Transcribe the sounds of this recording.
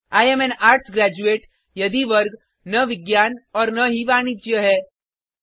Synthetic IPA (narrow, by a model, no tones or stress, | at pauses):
aːjemenaːɾʈsɡɾæːd͡ʒueːʈ | jɐd̪iʋɐɾɡ | nːɐʋɪɡjaːnɔːɾnɐɦiʋaːñɪd͡ʒjəɦɛː